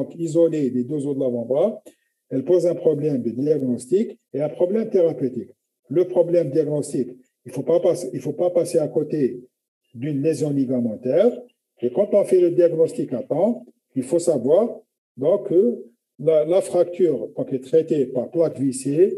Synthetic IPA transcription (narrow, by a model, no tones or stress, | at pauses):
ɔ̃kizɔled̪ed̪øzod̪əlavɑ̃d̪ʁa | ɛlpozɛ̃pχɔblɛmd̪əd̪iaɡnɔst̪ik | eɛ̃pχɔblɛmt̪eʁapøt̪ik | ləpχɔblɛmd̪iaɡnɔst̪ik | ilfopapasilfopapaseakɔt̪e | d̪ynlezjɔ̃liɡamɑ̃t̪ɛːʁ | ekɑ̃t̪ɔ̃fɛd̪əd̪iaɡnɔst̪ikap̪ɑ̃ | ilfosavwaʁ | d̪ɔ̃kə | lalafχak̚t̪yːʁkɑ̃k̪ɛt̪χet̪epaʁplakvise